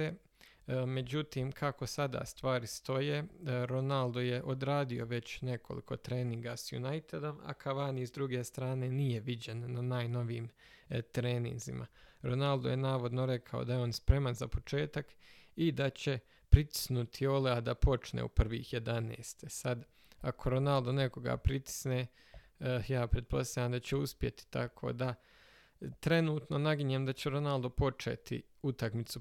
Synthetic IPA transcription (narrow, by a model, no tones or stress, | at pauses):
e | me̞d͡ʑut̪iːmkʰako̞sad̪a̰ːst̪ʋaːɾist̪o̞jeɾo̞nald̪o̞je̞ʔo̞d̪ɾaːd̪io̞ʋe̞t͡ɕne̞ko̞lḭkʰo̞̰t̪ɾe̞ːniŋɡasjṵnajt̪ed̪o̞ma̰kʰaʋaːniizd̪ɾuɡe̞ːst̪ɾaːne̞nije̞ʋid͡ʑe̞nːanaːjno̞ʋiːm | t̪ɾeːnḭnzḭmʔa̰ɾo̞nalˠd̪oje̞naːʋo̞d̪no̞ɾe̞kʰao̞̰d̪ajeo̞ːnspɾe̞manzapo̞t͡ʃe̞ːt̪akid̪at͡ɕe̞ | pɾit̪i̥snut̪ʰio̞lead̪apo̞t͡ʃnḛupr̩ʋḭːhje̞d̪anḛːst̪esad̪ | akʰo̞ɾo̞nald̪one̞ko̞ɡa̰pɾit̪i̥sne | jaːpɾet̪̚po̞st̪aʎaːmd̪at͡ɕeuspje̞t̪i̥t̪a̰kʰo̰ːd̪a | t̪ɾe̞nuːt̪no̞naɡiɲemd̪at͡ɕeɾo̞nalˠd̪opo̞t͡ʃḛːt̪ḭ | ut̪akmit̪su